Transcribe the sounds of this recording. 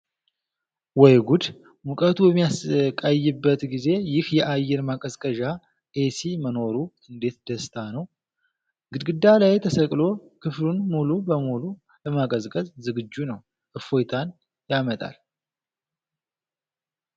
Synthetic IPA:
wɔjɡud̪ | mukʼət̪ʰujɛmːijaskʼajːɪbːət̪ɡize̞jɪhjɛʔajːɛɾmakʼəzkʼəʒa | ʔesiməno̞ɾuɨnd̪e̞t̪d̪əst̪ʰanəw | ɡɨd̪ɡɨd̪ːalajt̪ʰəsəkʼlo̞kʰɨflunmulubəmulu | ləmakʼəzkʼəzzɨɡɨd͡ʒːunəw | ʔɨfo̞jt̪ʰan | jamət̪ʼa̰l

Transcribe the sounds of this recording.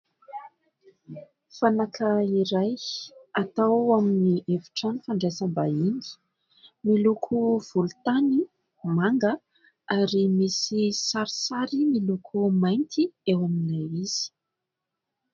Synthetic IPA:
fanakʰəiɾajat̪aaminiʔevi̥ʈ͡ʂanifaɳɖ͡ʐesəmbaini̥ | milukʰuv̥ulut̪ani | umaŋɡə | aɾimisisaɾisaɾimilukʰumajnt̪ʰiewaminajiz̥i̥

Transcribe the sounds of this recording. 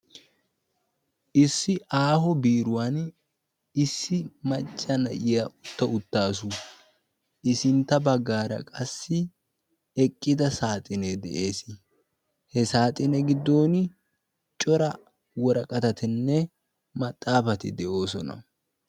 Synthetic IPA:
ʔɪsːɪʔaːɦɔbiːɾʊwan | ɪsːɪmɐt͡ʃʼːɐnɐʔɪjɐʔʊt̪ːɐʊt̪ːaːsʊ | ʔɪsɪnt̪ːɐbɐɡːaːɾɐ̰kʼɐsːɪ | ɛkʼːɪd̪ɐsaːt̪ʼɪned̪ɛʔe̞ːsɪ | hɛsaːt̪ʼɪnɛɡɪd̪ːo̞ːn | t͡ʃʼɔɾɐ | wɔɾɐkʼɐt̪ɐt̪ɪnːɛ | mɐt̪ʼːaːfɐt̪ɪd̪ɛʔo̞ːsɔnɐ̰

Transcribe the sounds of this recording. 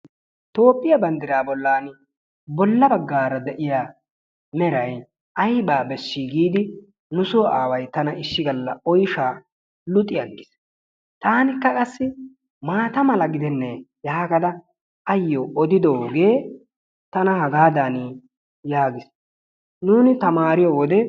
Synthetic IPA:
t̪o̞ːpʼːɪjɐbɐnd̪ɪɾaːbɔlːaːn | bɔlːɐbɐɡːaːɾɐd̪ɛʔɪjaː | mɛɾɐj | ʔɐjbaːbɛsːiɡiːd̪ɪ | nʊsoʔaːwɐjt̪ɐnɐɪʃːɪɡɐlːɐɔjʃaː | lʊt̪ʼːɪjɐɡːɪs | t̪aːnɪkːɐkʼɐsːɪ | maːt̪ɐmɐlɐɡɪd̪ɛnːɛjaːɡɐd̪ɐ | ɐjːɔʔɔd̪ɪd̪oːɡe̞ː | t̪ɐnɐhɐɡaːd̪anɪ | jaːɡɪs | nuːnɪt̪ɐmaːɾɪjɔwɔd̪ɛ

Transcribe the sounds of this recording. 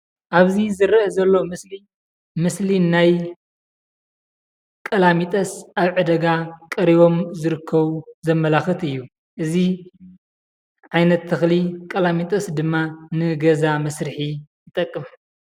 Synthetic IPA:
ʔaβzizɨɾɐzɐlːo̞mɨsli | mɨslinaj | kʼɐlamit̪ʼɐsaβʕɨd̪ɐɡakʼɐɾiβo̞mzɨɾɨkʰːɐβuzɐmːɐlaxɨt̪ɨjːu | ʔɨzi | ʕajnɐt̪ʰːɐxlikʼɐlamit̪ʼɐsd̪ɨmːanɨɡɐzamɐsɾɨħijɨt̪ʼɐkʼːɨm

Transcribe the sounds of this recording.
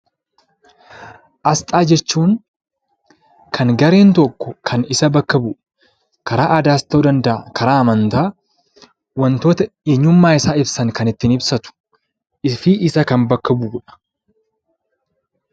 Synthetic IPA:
ʔɐst̪ʼaːd͡ʒɛt͡ʃːuːŋ | kʰɐŋɡɐɾe̞ːnt̪ɔkːɔkʰɐnɪsɐbɐkːɐbʊ | kɐɾaːʔɐd̪aːst̪oːd̪ɐnd̪ɐʔakɐɾaːɐmɐnt̪aː | wɐnt̪o̞ːt̪ɐeːɲːʊmːaːɪsaːɪbsɐŋkɐnɪt̪ːɪnɪbsɐt̪ʊ̥ | ʔɪfiʔɪsɐkɐmbɐkːɐbuːɡᶑɐ̥

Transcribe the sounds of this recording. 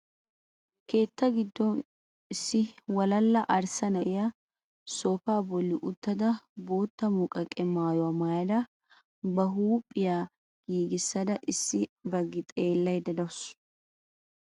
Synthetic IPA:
ke̞ːt̪ːɐɡɪd̪ːɔn | ɪsːɪwɐlɐlːɐʔɐɾsɐnɐʔɪjɐ | soːfaːbɔlːɪʔʊt̪ːɐd̪ɐbo̞ːt̪ːɐmʊkʼɐkʼːɛmaːjɔwamajɐd̪ɐ | bɐɦuːpʼːɪjaː | ɡ̥iːɡɪsːɐd̪ɐʔɪsːɪbɐɡːɪt̪ʼe̞ːlːɐjd̪ɐd̪ɐws

